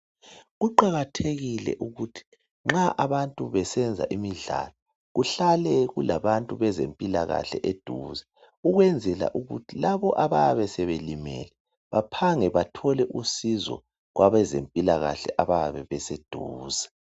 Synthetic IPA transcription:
ɣuǃaɣatʰeɣilɛ̰ʔuɣutʰi̥ | ŋ͡ǁaʔaβantʼuβɛsɛnd͡zʱa̰ʔimiɮa̰lɔ | ɣuɬalɛɣulaβantʼuβɛzempʼila̰ɣa̰ɬɛ̰ʔed̥ʱuːzɛ | uɣwɛnd͡zʱɛla̰ʔuɣṵtʰilaβɔʔaβaβɛsɛβelimɛ̰lɛ | βapʰaŋɛβatʰɔlɛʔusizɔ̰ | ɣwaβɛzempʼilaɣa̰ɬɛʔaβaβɛβɛsed̥ʱuːzɛ

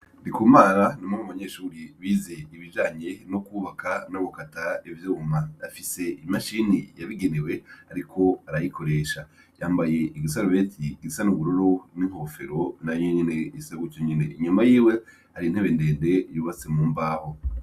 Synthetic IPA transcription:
ndikumaːɾanimomuβaɲe̞ːʃuːɾiβiːze̞iβiʒaːɲe̞no̞kuːβakanoβokataevjoumaafise̞imaʃinijaβiɡenewe̞aɾikʰo̞aɾajikʰo̞ɾe̞ːʃa | jaːmbaje̞ʔiɡisaɾuβeːtʰiɡisanuβuɾoɾoniŋho̞fe̞ɾo̞naeɲine̞jisaɡucoɲinḛiɲumajiːwe̞ | haɾin̥he̞βe̞nde̞ːnde̞juːβat͡semuːmbaːho

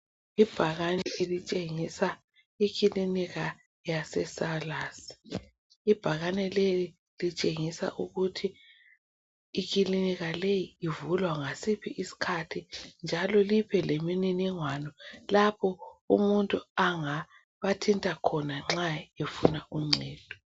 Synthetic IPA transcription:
ib̥ʱaɣanɛelit͡ʃʼeŋisa | ikʰʼiliniɣa | jasɛsalaːsi̥ | ib̥ʱaɣanɛleli | lit͡ʃʼeŋisa̰ʔuɣutʰi | kiliniɣalejiːvulwaŋasipʰiʔisi̥kʰatʰind͡ʒʱalɔlipʰɛlemininiŋwanɔlapʰɔṵmuntʼuaŋa | βatʰintʼakʰɔnaŋ͡ǁaefunauŋ͡ǀʱɛːd̥ʱɔ

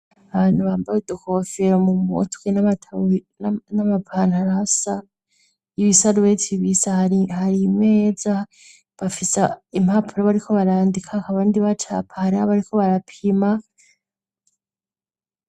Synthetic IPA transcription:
aβanhuβaːmbajudukofeɾomumṵtkenaβatʰannamapʰanaɾasa | iβisadwetʰiβisahaihaɾimeːza | βafisaimhapʰuɾaβaɾikʰo̞βaɾaːndikʰakaβandiβat͡ʃa̰pʰahaɾiaβaɾikʰo̞βaɾapʰima

